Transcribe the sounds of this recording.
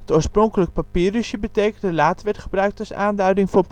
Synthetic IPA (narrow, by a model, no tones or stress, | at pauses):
ətoːɹsprɔŋkələk̚papiːryʃjəbətejkəndəlaːtʋɛɹtχəbrœɥk̚tɑsa̰ːndœɥdɪŋvʊːɹp